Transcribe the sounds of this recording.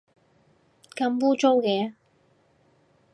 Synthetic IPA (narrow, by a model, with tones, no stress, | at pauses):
kɐ˧˥mpuː˥t͡so˥wkɛː˧